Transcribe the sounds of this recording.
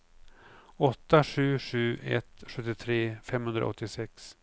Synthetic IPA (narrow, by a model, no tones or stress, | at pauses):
ɔt̪ːaɧʉ̟ːʂʉ̟ːʔɛ̰t̪ɧɵt̪ːɪt̪ʰɾeːfɛmːhɵnd̪ɾa̰ɔ̰t̪ːɪsɛks